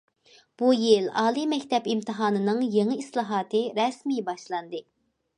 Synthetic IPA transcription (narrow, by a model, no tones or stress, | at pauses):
b̥ujilɑːlˠimɛkʲt̪ʰɛpimt̪ʰɨɦɑːnɨnɨŋjeŋɨislˠɑːɦɑːt̪ʰɨɾɛsmijbɑʃlˠɑnd̪ɨ